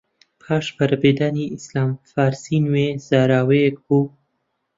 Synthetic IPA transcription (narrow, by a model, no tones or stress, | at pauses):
pʰɑːʂpaɾbed̪aniɪslɑmfaːɾsinwez̥aɾaweku